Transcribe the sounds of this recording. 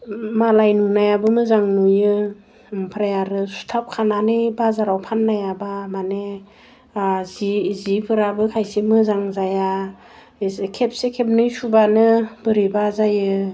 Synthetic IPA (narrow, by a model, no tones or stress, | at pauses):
malajnunajabɯmɯzaŋnujɯ | mpʰɾajaɾɯsu̥tʰap̚kʰananɯbazaɾawpʰanːajabamane | zizipʰɯɾabɯkʰajsemɯzaŋzaja | kʰep̚sekʰep̚nɯjsubanɯb̥ɯɾibazajɯ